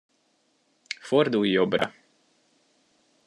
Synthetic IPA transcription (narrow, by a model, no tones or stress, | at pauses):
fɔɾd̪uːjɔbɾa̰